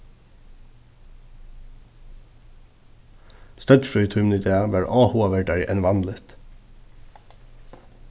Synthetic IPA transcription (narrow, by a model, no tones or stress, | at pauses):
st̪œd̪fɾyːt̪ʰʉmnɪt̪ʰeːɑʋæɹʔɑːhoːɑʋæɖæɹʔɛnʋɑnləst̪